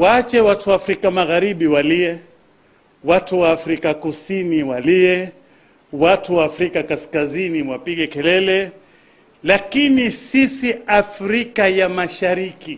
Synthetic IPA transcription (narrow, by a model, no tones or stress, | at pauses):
waat͡ʃɛwatuwafɾikamaɣaɾiɓiwaliɛ | watuwaːfɾikakusiniwaliɛ | watuwaːfɾikakaskaziniwapiɠɛkɛlɛlɛ | lakinisisiafɾikajamaʃaɾiki